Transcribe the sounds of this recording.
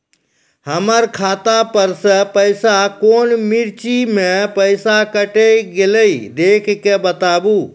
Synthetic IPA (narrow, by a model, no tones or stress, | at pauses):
həməɾkʰaːt̪apəɾsə̃pəjsakoːnmiɾt͡ʃimẽpəɪsakəʈeɡeləid̪ekʰkebət̪abu